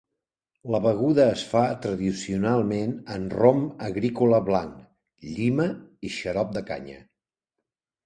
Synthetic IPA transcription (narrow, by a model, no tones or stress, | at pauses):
ləβəɣ̞uðəːsfat̪ɾəðisiunalˠmenənroməɣɾikuləβlaŋ | ʎiməiʃəɾɔp̚d̪əka̰ɲə̰